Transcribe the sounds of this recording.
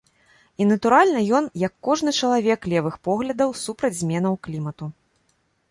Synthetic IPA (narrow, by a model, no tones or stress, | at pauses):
inɐt̪uɾalʲnɐjɔnjɐkːɔʐnɨt͡ʂɐlˠavʲɛklʲɛvɨxpɔɣlʲɐd̪ɐwsupɾɐd͡zʲzʲmʲɛn̪ɐwklʲimɐt̪u